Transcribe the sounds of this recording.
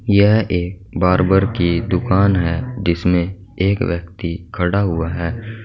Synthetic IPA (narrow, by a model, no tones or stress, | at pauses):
jɛɦeːk̚ | baːɾbəɾkid̪ʊkaːnɦɛːd͡ʒɪsmẽ | eːkʋjək̚t̪ikʰɐɽaɦʊaɦɛː